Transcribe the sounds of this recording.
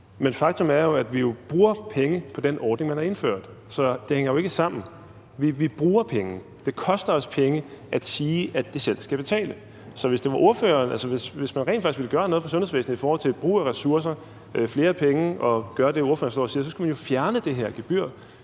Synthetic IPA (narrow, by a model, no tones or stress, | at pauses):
menfɑ̈ɡ̥̚t͡sʰo̽mæɐjo̝æd̥ʋijo̝b̥ʁuːɐpʰeŋəpʰɒ̽d̥enɒːd̥ne̝ŋmænhɑ̈e̝nføɐ̰d̥ | sɒ̽d̥e̝heŋ̰ɐjo̝e̝ɡ̥əsɑ̈m̰n̩ | ʋiʋib̥ʁuːɐpʰeŋə | d̥e̝kʰɒ̽sd̥ɐɒ̽spʰeŋəʔæd̥siːæd̥esel̰sɡ̥æb̥e̝t͡sʰɛ̰ːlə | sɒ̽ʋe̝sd̥e̝ʋɑ̈ʔo̝ɐfø̰ːɐːnælsɒʋe̝sʋe̝smænʁɛ̰nfɑ̈ɡ̥isɡʋiləɡ̥ɶːɐnoɔːð̩ˠfɒ̽sɔ̽nhesʋḛːsn̩ð̩ˠifɒːhɒ̽l̰t͡sʰe̝lb̥ʁṵːæʁɛsuɐs̬ɐ | fle̝ːɐpʰeŋəɒ̽ɡ̥ɶːɐd̥e̝o̝ɐfø̰ɐnsl̥ɒ̰ːsiːɐsɒ̽sɡ̥æmænjo̝fjæɐnəd̥e̝ɦeɐ̰ɡ̥eb̥yɐ̰